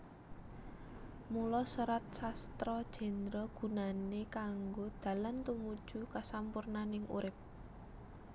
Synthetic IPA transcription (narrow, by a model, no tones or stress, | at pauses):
mulɔsəɾat̪̚sast̪ɾɔd̥ʒ̥ɛ̤nd̪ɾɔɡ̥ṳnanekaŋɡod̪̥ä̤lant̪umud̥ʒ̥ukasampʊrnanɪŋṵɾɪp̚